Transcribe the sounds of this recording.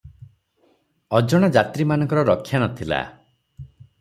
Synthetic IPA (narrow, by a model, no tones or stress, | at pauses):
ɔd͡ʒɔɽ̃ad͡ʒat̪ɾimanɔ̃ŋkɔɾɔɾɔkʰːjanɔt̪ʰila̰